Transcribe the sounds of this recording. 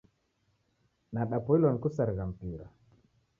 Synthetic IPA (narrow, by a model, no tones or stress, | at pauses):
naɗapɔilɔnkusaɾɣam̩piɾa̰